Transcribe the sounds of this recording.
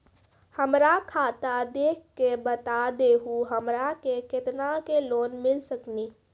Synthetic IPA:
həmɾakʰaːt̪ad̪eːkʰːebət̪ad̪eɦuɦəmɾakekɪt̪nakeloːnmɪlsəkniː

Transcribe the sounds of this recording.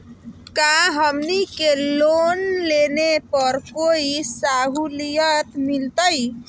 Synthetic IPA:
kaɦəmnikelonlenepəɾkoisaɦulijət̪milt̪əj

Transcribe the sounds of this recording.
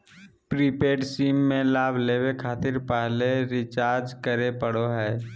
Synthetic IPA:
pɾiːpeːɖsiːmːẽlaːbʱleːwekʰaːt̪ɪɾpɛɦleɾɪt͡ʃaːɾd͡ʒkəɾepəɽoɦɛː

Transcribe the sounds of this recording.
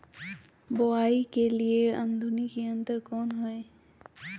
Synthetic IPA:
boaːikelieɐ̰̃nd̪ʱunikeə̃nt̪əɾkɔːnɦɛe

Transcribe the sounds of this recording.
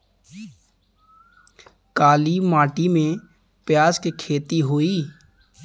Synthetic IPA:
kaːlimaːʈimẽ | pjaːzkekʰeːt̪iɦoiː

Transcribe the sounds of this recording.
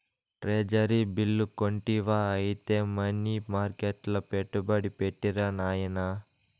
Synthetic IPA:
ʈɾeːd͡ʒɐɾiːbilːukoɳʈiʋaːɐjit̪eːmɐnːimaːɾkeʈlɐpeʈːubɐɽipeʈːiɾanaːjɐnɐ

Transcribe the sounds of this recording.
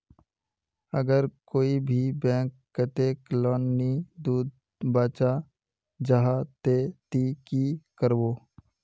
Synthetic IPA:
əɡəɾkoːibʱibɛ̃ːkːət̪eklɔːnːid̪uːd̪̚ | baːt͡ʃa | d͡ʒaɦat̪et̪ikikəɾboː

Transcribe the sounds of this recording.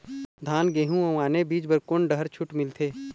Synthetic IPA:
d̪ʱaːnɡeːɦũɐ̃aːnebiːd͡ʒbəɾkonɖəɦəɾt͡ʃʰʊʈmɪlt̪ʰeː

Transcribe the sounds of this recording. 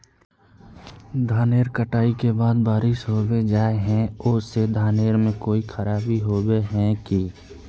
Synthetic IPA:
d̪ʱaːneːɾkəʈaːikebaːd̪baːɾɪʃɦoːwed͡ʒaːeɦɛ̃ʊsed̪ʱaːneːɾmẽkoːixʰəɾaːbiɦoːbeɦɛ̃ki

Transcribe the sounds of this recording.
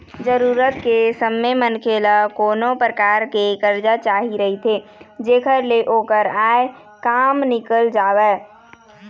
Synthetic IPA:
d͡ʒəɾuːɾət̪kesəmemənkʰeːlakoːnopɾəkaːɾkekəɾd͡ʒat͡ʃaːɦiɾəɦit̪ʰeːd͡ʒeːkʰəɾleʔoːkəɾaːe | kaːmnɪkəld͡ʒaːwɛː

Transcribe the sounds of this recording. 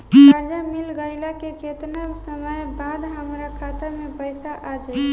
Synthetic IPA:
aɾd͡ʒamilɡəɪlakeket̪nəsəməjbad̪ɦəmɾakʰat̪amepəjsaʔad͡ʒa

